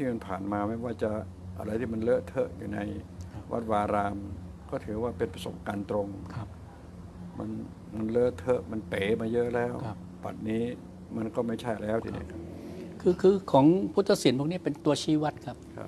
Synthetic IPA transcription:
t̪ʰiː˥˩ma˧npʰaː˨˩nmaː˧ma˥˩jwaː˥˩t͡ɕa˨˩ | ʔa̰˧ɾa˧jt̪ʰiː˥˩ma˧nlɤ˦˥t̪ʰɤ˦˥ʔjuː˨˩na̰˧jwʔa̰˦˥t̪̚waː˧ɾaː˧m | kɔː˥˩t̪ʰɯː˩˦waː˥˩pe˧npɾa˧so̰˨˩˦p̚kaː˧nt̪ɾo˧ŋkʰa˦ | ma˧n | ma˧nlɤː˦˥˩t̪ʰɤ˦˥ʔma˧npeː˨˩˦maː˧jɤ˦˥ʔlɛː˦˥˩wʰ | ba̰˨˩t̪̚niː˦˥ | ma˧nkɔː˥˩ma˥˩jt͡ɕʰa˥˩jlɛː˦˥wt̪ʰḭː˧˨nḭ˦˥˨kʰa˦˥p̚kʰɯː˧kʰɯː˧kʰɔː˩˦ŋpʰu˦˥t̪ʰːa˧˥si˨˩˦npʰu˥˩ni˥ɐpe˧nt̪u˧ɐt͡ɕʰiː˥˩wa˦˥t̪̚kʰa˦˥p̚kʰa̰˦˥

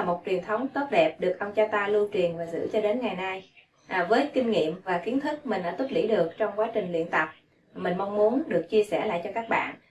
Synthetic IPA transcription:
a˨˩mo˨˩t̚t͡ɕwi˨˩ənt̪ʰə˨˦wŋ͡mt̪o˦˥t̚ɗɛ˨˩p̚ɗɨ˨˩ək̚ʔə˧wŋ͡mt͡ɕaː˧t̪aː˧lu˧t͡ɕwi˨˩ənvaː˨˩zɨ̰˧˥t͡ɕɔ˧ɗe˨˦nŋa˨˩jna˧j | ʔvəː˨˦jkï˧ŋ̟ŋḭ˧˨əmvaː˨˩ki˨˦ənt̪ʰɨ˦˥k̚mï˨˩ŋ̟ɗa̰ː˧˥t̪u˦˥t̚lḭ˧˥˩ɗɨ˨˩ək̚t͡ɕɔ˧wŋ͡mkwaː˨˦t͡ɕï˨˩ŋ̟lḭ˧˨ənt̪ə˨˩p̚ | mï˨˩ŋ̟ma˧wŋ͡mmu˨˦ənɗɨ˨˩ək̚t͡ɕi˧əsɛ˧˩la̰ː˧˨jt͡ɕɔ˧kaː˦˥k̚ɓa̰ː˧˨n

